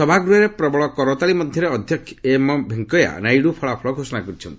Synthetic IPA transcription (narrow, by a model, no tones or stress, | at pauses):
sɔbʱaɡɾuɦeɾepɾɔbɔɭɔkɔɾɔt̪aɭimɔd̪ʱjɔɾeɔd̪ʱjɔkʰemɔbʱeŋkɔja̰najɽupʰɔɭapʰɔɭɔɡʱosɔnakɔɾit͡ʃʰɔnt̪i